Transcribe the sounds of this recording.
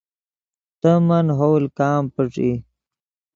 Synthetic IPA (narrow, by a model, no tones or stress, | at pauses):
t̪əmɐnɦowlkaːmpəʈ͡ʂḭ